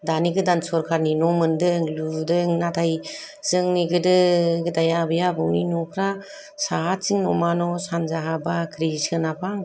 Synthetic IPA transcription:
daniɡɯdansɔɾkʰaɾninɔmɯndɯŋludɯŋnatʰaj | z̥ɯŋniɡɯdɯɡɯdajabɯjabɯwninɔkʰɾa | saɦasiŋnɔmanɔsanzaɦabakʰɾisɯnapʰaŋ

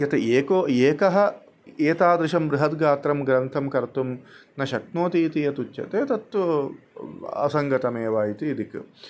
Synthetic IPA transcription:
jɐt̪ɐeːkoːeːkɐɦɐ̆ | eːt̪aːd̪ɾɪʃɐmbɾuɦɐt̪ɡaːt̪ɾɐmɡɾɐnt̪ʰɐmkɐɾt̪umnɐʃɐknoːt̪iːt̪ijɐt̪ut͡ʃːjɐ̰t̪eːt̪ɐt̪ʋɐ | ɐ̰sɐŋɡɐʈɐmeːʋaːjit̪iːd̪ik

